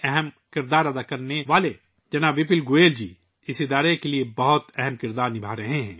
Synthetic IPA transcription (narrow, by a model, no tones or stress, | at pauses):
ɛɦɛmkɪɾd̪aːɾɐd̪akɐɾneʋaːle | d͡ʒɐnaːbɪpɪlɡoːeːld͡ʒiː | ɪsɪd̪aːɾekeliebɐɦʊt̪ɛɦɛmkɪɾd̪aːɾnɪbʱaːɾɐɦeɦɛ̰̃ː